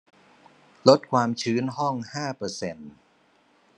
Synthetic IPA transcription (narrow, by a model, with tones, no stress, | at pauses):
lo˦˥t̪̚kʰwaː˧mt͡ɕʰɯː˦˥nɦɔ˥˩ŋhaː˥˩pɤː˧se˧n